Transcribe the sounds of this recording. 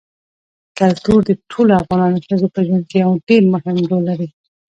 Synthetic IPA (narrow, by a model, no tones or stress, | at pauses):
kalt̪uɾd̪əʈʰoloafɣɑnɑnoʃəzopəʒwankeawɖeɾmʊhɪmɖolːaɾi